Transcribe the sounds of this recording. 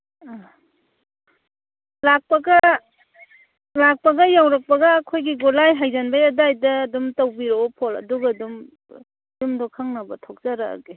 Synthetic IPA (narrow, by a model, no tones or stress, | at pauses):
a | lak̚pɐɡɐ | lak̚pɐɡɐjawɾɐk̚pɐɡɐːkʰojɡiɡɔlajɦajzanbajadajdɐːdumtawbiɾoɔpʰɔlɐ̰duɡadum | dumdɔkʰaŋnabɐtʰɔk̚zaɾa̰ːɡe